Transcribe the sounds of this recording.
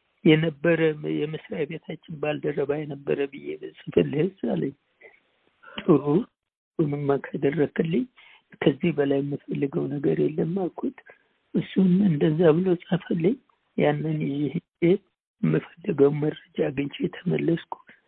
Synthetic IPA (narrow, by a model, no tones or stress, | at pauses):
jɛnəbːəɾəjɛmɨsɾajbet̪ʰat͡ʃːɪnbald̪ərːəβajɛnəbːə̰ɾəbɨjebsʼɨfəlːɨhɨsaləɲː | t̪ʼɨɾu | wɔmɨːakʰad̪ərːəkʰɨlːɨɲ | kʰəzːihbəlajɛmːɨfəlːɨɡəwnəɡəɾjɛlːəmːakʰut̪ʼ | ʔɨsːunɨnd̪əzːaβɨlosʼəfəlːɨɲ | janːənɪzihɨd͡ʒʼe | ɛmːɨfəlːɨɡəwməəd͡ʒaɡɨɲt͡ʃʰejɛt̪ʰəməlːəskʰu̥